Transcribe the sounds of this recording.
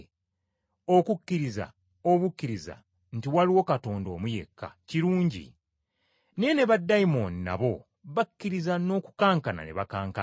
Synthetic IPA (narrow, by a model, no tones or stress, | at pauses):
o̞kukːiɾiza̰ | oβukːiɾiza̰ | n̩tiwaliwo̞kato̞ːndo̞ːmuje̞̰kːa̰ciɾuːɲɟḭ | ne̞ne̞βadːaimo̞nna̰βo̞ | βakːiɾizano̞ːku̥kaːŋkana̰ne̞βakaːŋka